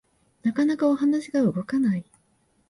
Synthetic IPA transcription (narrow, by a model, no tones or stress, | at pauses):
nakanakao̞hanaɕiɡaɯ̟ɡo̞kanai